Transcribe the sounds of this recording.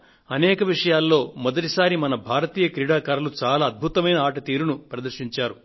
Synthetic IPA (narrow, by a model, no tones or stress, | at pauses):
ɐnɛːkɐʋiʂɐjaːlːo̞ːmɔd̪ɐʈisaːɾimɐnɐbʱaːɾɐt̪iːjɐkɾiɽaːkaːɾɐlut͡ʃaːlaːɐd̪̚bʱut̪ɐmɐjnɐaːʈɐt̪iːɾunupɾɐd̪ɐɾʂiɲt͡ʃaːɾu